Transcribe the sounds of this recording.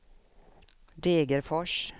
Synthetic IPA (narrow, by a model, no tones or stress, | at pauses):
d̪eːɡəɾfɔʂ